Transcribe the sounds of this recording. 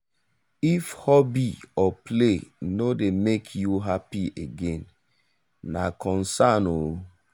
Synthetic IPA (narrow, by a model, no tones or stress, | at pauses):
ifhɔbiɔplenodemekʰjuɦapieɡẽnː | a̰kʰɔ̃nsano